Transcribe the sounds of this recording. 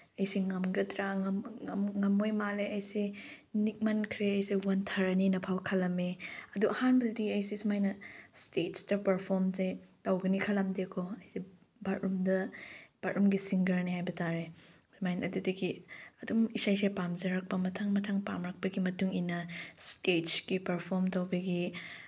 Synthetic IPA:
ɐjsiŋɐmɡɐtɾaŋɐmŋɐmojmaleɐjse | nik̚mɐnkʰɾeɐjsewɐntʰɐɾɐninɐpʰawkʰɐlɐmeɐduʔɐhanbɐdɐdiɐjsesimajnɐstetstɐpɐɾpʰɔɾmsetɐwɡɐnikʰɐlɐmdekʰoɐjse | bɐtʔumdɐb̥ɐtɾʔumɡisiŋɡɐɾniɦajbɐtaɾe | smajnɐdudɐɡiɐdumisajsepamzɐɾɐk̚pɐmɐtʰaŋmɐtʰaŋpamɾɐk̚pɐɡimɐtuŋinɐstetkipɐɾpʰoɾmtɐwbɐɡi

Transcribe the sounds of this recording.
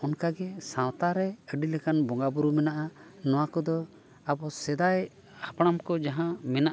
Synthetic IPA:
ɔnkaɡɛsãwt̪aɾɛəɖilɛkanbɔŋɡabuɾumɛnaʔanɔwakɔd̪ɔ | abɔsɛd̪aj | hapaɽ̃amkɔd͡ʒaɦãmɛnaʔ

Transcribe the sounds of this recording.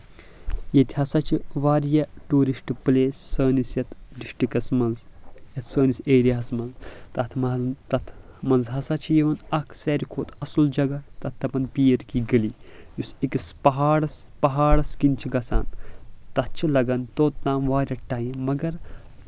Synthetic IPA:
jɐt̪ʲiɦɐsɐt͡ʃʰiʋaːɾjɐʈuːɾisʈɨpɨleːsːɐːnisjɐt̪ʰɖiʂʈikɐsmɐnzjɐt̪ʰsəːniseːɾijɐɦɐsmɐnzt̪ɐt̪ʰmɐt̪ɐt̪ʰmɐnzɦɐsɐt͡ʃʰijeʋɐnɐkʰseːɾʲikʰoːt̪ʰɐsuld͡ʒɐɡɐt̪ɐt̪ːɐpɐnpiːɐɾkiɡɐlijusikispɐɦaːɽɐs | pɐɦaːɽɐskint͡ʃʰiɡɐsa̰ːnt̪ɐt̚t͡ʃʰilɐɡɐnt̪oːt̪̚naːmʋaːɾʲɐʈaːjĩmɐɡɐɾ

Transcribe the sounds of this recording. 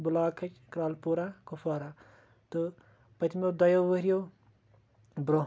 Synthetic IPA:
bulaːkʰːɐt͡ʃkɾaːlpuːɾakufaːɾa | t̪ɨ | pɐt̪ʰmed̪ɐjoːʋɐɾijo | bɾo

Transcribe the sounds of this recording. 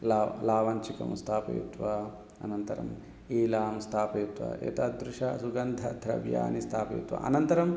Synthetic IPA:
lalaːʋɐnt͡ʃikɐ̰mst̪ʰaːpḛːt̪ʋa | ɐnɐnt̪ɐɾɐ̰m | iːlaːmst̪ʰaːpeːt̪ʋɐ̰ḛːt̪aːd̪ɾuʂɐsuɡɐnd̪ʱɐd̪ʱɾɐ̰ʋja̰ːnist̪ʰaːpḛːt̪ʋɐ̰ɐnɐnt̪ɐɾɐm

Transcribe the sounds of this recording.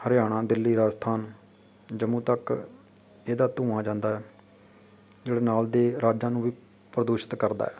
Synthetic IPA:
həɾjaːɽ̃ãːd̪ɪlːiːɾaːst̪ʰaːn | d͡ʒəmũːt̪ək | eːd̪aːt̪ũːãːd͡ʒãːnd̪aːɛː | d͡ʒeːɽaːnaːld̪eːɾaːd͡ʒãːnũːʋiː | pɾəd̪uːʃə̥t̪kəɾd̪a̰ːɛː

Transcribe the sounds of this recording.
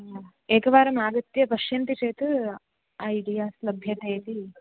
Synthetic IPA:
eːkɐʋaːɾɐmaːɡɐt̪jɐpɐʃjɐnt̪it͡ʃeːt̪ɨ | ɐjiɖijaːslɐbʱjɐt̪eːt̪i

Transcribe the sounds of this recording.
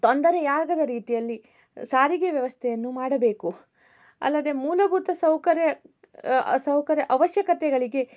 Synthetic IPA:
t̪o̞nd̪ɐɾɛjaːɡɐd̪ɐɾiːt̪ijɐlːi | saːɾiɡeʋjɐʋɐst̪ʰɛjɐnːumaːɽɐbe̞ːku | ɐ̰lːɐd̪e̞muːlɐbʱut̪ɐsɐwkɐɾjɐ | sɐwkɐɾjɐʔɐʋɐʃjɐkɐt̪ɛɡɐɭiɡe̞

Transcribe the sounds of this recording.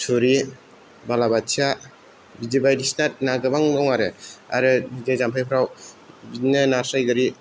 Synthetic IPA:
suɾi | balabat͡ʃʰja | bid͡ʒebajdisnat̚naɡɯbaŋnɔŋaɾɯa̰ɾɯbid͡ʒejzampʰajpʰɾaw | binɯnaɾsajɡɯɾi

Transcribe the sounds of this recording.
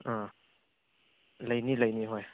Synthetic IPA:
a | lajniləjniɦɔj

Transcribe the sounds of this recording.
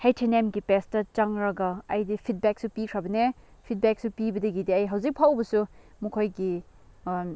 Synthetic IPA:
hejtʰenemɡipestɐt͡ʃɐŋɾɐɡɐɐjdipʰit̚bek̚supikʰɾɐbɐnepʰit̚bek̚supibɐdɐɡidiɐjɦɐwzik̚pʰawbɐsu | mukʰojɡi

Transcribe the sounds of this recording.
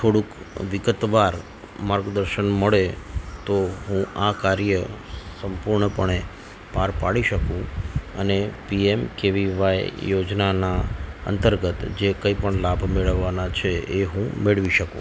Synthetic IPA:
t̪ʰoɽũk | ʋɪɡət̪ʋaɾ | maɾɡd̪əɾʃənməɭet̪oɦũʔakaɾjəsəmpuɾɳəpəɳe | paɾpaɽiʃəkũə̰nepiemkeʋiʋajːod͡ʒnanaə̰nt̪əɾɡət̪d͡ʒekəipəɳlabʱmeɭəʋːanat͡ʃʰeeɦũmeɭʋiʃəkṵ̃

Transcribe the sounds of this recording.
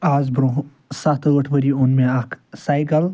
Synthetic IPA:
aːzbɾoɦ | sat̪ʰɡəʈʰʋəɾionmẽakʰsajɡɐl

